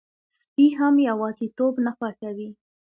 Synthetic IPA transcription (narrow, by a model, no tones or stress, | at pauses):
spiɦamjawɑzit̪obnaxwakawi